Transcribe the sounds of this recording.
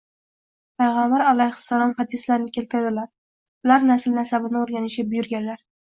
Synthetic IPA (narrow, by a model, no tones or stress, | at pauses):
pʰajʁambaɾalˠajχʊ̥sɒɾɒnhɒd̪ɪslaɾnɪkʲelt̪ʰɪɾad̪ɪlaɾ | ʊlaɾnasɪlnasabɪnɪoɾɡʲanɪʃabʊjʊɾɡʲanlaɾ